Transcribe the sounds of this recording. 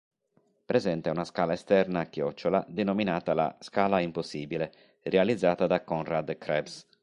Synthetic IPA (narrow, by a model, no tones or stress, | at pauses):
pɾɛzɛnt̪eɛunaskaːlaɛst̪ɛɾnakːjɔt͡ʃːolad̪enominaːt̪ala̰skaːlaimposːiːbile | realid̪zːaːt̪ad̪akɔnrad̪kɾɛbs